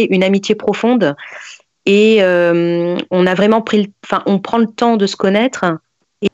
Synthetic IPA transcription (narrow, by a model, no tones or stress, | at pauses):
ʔynamit̪jepχɔfɔ̃d̪ | eømɔ̃navʁɛmɑ̃pχiləɑ̃fɛ̃ʔɔ̃pχɑ̃lət̪ɑ̃d̪əsə̥kɔnɛt̪χ | e